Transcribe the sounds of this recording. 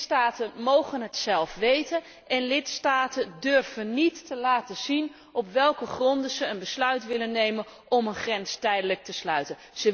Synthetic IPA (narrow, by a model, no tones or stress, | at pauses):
staːtənmowχənɦətsɛlˠfʋejtən | ɛnlɪtstaːtəndørv̥ənːitːəlaːtəz̥in | ʔɔpʋɛlˠkəχrɔndəzəənbəslœɥtʋɪlənːejmən | ʔɔmənχrɛnstɛjdələk̚təslœɥtən | z̥ə